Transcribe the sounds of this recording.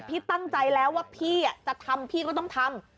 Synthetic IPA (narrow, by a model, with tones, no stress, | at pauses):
pʰiː˥˩t̪a˥˩ŋt͡ɕa˧jlɛː˦˥waː˥˩pʰiː˥˩a˨˩t͡ɕa˨˩ʔt̪ʰa˧mpʰiː˥˩kɔː˥˩t̪ɔ˥˩ŋt̪ʰa˧m